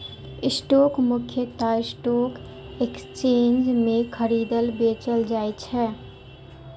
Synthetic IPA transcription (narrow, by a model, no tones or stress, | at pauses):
ɪsʈoːkmʊkʰjət̪aɪsʈoːk | ekst͡ʃeːnd͡ʒmẽxʰəɾiːd̪əlbeːt͡ʃəld͡ʒaːjt͡ʃʰɛ